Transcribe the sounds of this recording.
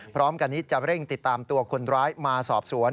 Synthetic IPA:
pʰɾɔː˦˥mka˧nːiː˦˥t͡ɕa˨˩ɾe˥˩ŋt̪i˨˩t̪ːaː˧mt̪u˧ɐkʰo˧nɾaː˦˥jmaː˧sɔː˨˩p̚su˩˦ən

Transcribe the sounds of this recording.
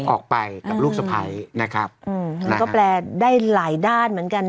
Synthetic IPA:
ʔɔː˨˩k̚pa˧jka˨plu˥˩k̚sa˧pʰa̰˦jna˦˥kʰɾa˦˥p̚ʔʔɯː˧˩mma˧n˧kɔː˥˩plɛː˧daː˥˩jlaː˨˩˦jdaː˥˩nmɯ˩˦ənka˧n

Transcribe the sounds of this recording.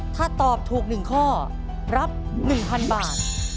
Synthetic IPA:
t̪ʰaː˥˩t̪ɔː˨˩p̚t̪ʰuː˨˩k̚nɯ˨˩ŋkʰɔː˥˩ | ɾa˦˥p̚nɯ˨˩ŋpʰa˧nbaː˨˩t̪̚

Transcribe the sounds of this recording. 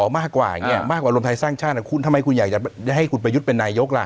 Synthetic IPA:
ɔː˩˦maː˥˩kːwa̰ː˨˩˨ŋi˦˥ɐ˨˩maː˥˩kwaː˨˩ɾu˧mt̪ʰa˧jsaː˥˩ŋt͡ɕʰaː˥˩˧kʰu˧nt̪ʰa˧mːa˧jkʰu˧njaː˨˩k̚t͡ɕa˨˩˧da˥˩jɦa˥˩jkʰu˧npɾa˧ju˦˥t̪̚pe˧nːaː˧jo˦˥k̚la̰˧˩ʔ

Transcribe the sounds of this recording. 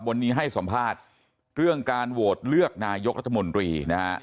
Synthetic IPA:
wa˧nːiː˦˥ɦa˥˩jsa˩˦mpʰaː˥˩t̪̚ | ɾɯ˥˩əŋkaː˧nwoː˨˩t̪̚lɯ˥˩ək̚naː˧jo˦˥k̚ɾa˦˥t̪ʰːa˧mo˧nt̪ɾiː˧na˦˥ha̰˦˥

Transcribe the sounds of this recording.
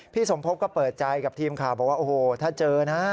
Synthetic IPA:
pʰiː˥˩so˩˦mpʰo˦˥p̚kɔː˥˩pɤː˨˩t̪̚t͡ɕa˧jka˨˩t̪ʰiː˧mkʰaː˨˩wbɔː˨˩k̚wa˥˩ʔoː˨˩hoː˨˩t̪ʰaː˥˩t͡ɕɤː˧na˦˥

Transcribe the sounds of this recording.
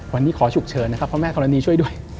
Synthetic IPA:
wa˧nːiː˦˥kʰɔː˩˦t͡ɕʰu˨˩k̚t͡ɕʰɤː˨˧nːa˥kʰa˦˥pʰɾɔ˦˥mɛː˥˩kʰɔ˧ɾa˧niː˧t͡ɕʰu˥˩əjdu˥˩əj

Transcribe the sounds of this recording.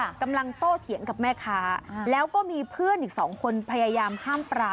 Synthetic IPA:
ka˧mla˧ŋt̪oː˥˩t̪ʰi˩˦əŋka˨˩p̚mɛː˥˩kʰaː˦˥lɛː˦˥wkɔː˥˩miː˧pʰɯ˥˩ənʔiː˨˩k̚sɔː˩˦ŋkʰo˧npʰa˧jaː˧jaː˧mhaː˥˩mpɾaː˧

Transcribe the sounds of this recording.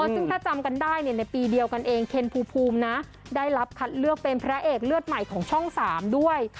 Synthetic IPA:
ɔ˧sɯ˥˩ŋt̪ʰaː˥˩t͡ɕa˧mka˧ndaː˥˩jni˥˩ɐna˧jpiː˧di˧əwka˧nʔeː˧ŋkʰe˧npʰuː˧pʰuː˧mna˦˥ | daː˥˩jɾa˦˥p̚kʰa˦˥t̪̚lɯ˥˩ək̚pe˧npʰɾa˦˥ʔeː˨˩k̚lɯ˥˩ət̪̚ma˨˩jkʰɔː˩˦ŋt͡ɕʰɔ˥˩ŋsaː˩˦mdu˥˩əj

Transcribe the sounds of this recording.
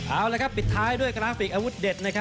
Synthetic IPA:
ʔaː˧˩wlaː˧kʰa˦˥pːi˨˩t̪ʰːaː˦˥jdu˥˩əjkɾaː˦˥fi˨˩k̚ʔaː˧wu˦˥t̪̚de˨˩t̪̚na˦˥kʰa˦˥

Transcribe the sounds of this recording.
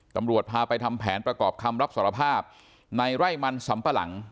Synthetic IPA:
t̪a˧mɾu˨˩ət̪̚pʰaː˧pa˧jt̪ʰa˧mpʰɛː˩˦npɾa˧kɔː˨˩p̚kʰa˧mɾa˦˥p̚saː˨˩˦ɾa˧pʰaː˥˩p̚ | na˧jɾa˥˩jma˧nsa˩˦mpa˧la̰˩˦ŋ

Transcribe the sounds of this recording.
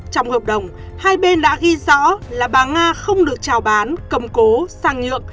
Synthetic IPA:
t͡ɕɔ˧wŋ͡mhəː˨˩p̚ɗə˨˩wŋ͡m | haː˧jɓe˧nɗa̰ː˧˥ɣi˧zɔ̰˧˥laː˨˩ɓaː˨˩ŋaː˧xə˧wŋ͡mɗɨ˨˩ək̚t͡ɕaː˨˩wɓaː˨˦nkə˨˩ŋ͡mko˨˦saː˧ŋɲɨ̰˧˨əŋ

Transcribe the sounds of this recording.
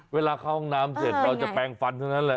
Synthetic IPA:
weː˧laː˧kʰaː˥˩ɔ˥˩naː˦˥mse˨˩t̪̚ɾaː˧wt͡ɕa˨˩pɛː˧ŋfa˧nt̪ʰa˥˩wna˦˥nlɛ˧˩

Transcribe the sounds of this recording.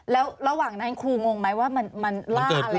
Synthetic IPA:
lɛː˦˥wɾa˧waː˨˩ŋna˨˦˥nkʰuː˧ŋo˧ŋma˦˥jwaː˥˩ma˧nma˧nlaː˧˥˩l

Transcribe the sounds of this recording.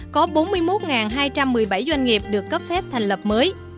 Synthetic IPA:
kɔ˨˦ɓo˨˦nmɨ˧əjmo˦˥t̚ŋaː˨˩nɦaː˧jt͡ɕa˧mːɨ˨˩əjɓa˧˩jzwa˧jŋ̟ŋi˨˩əp̚ɗɨ˨˩əkːə˦˥p̚fɛ˦˥p̚t̪ʰa˨˩ŋ̟lə˨˩p̚məː˨˦j

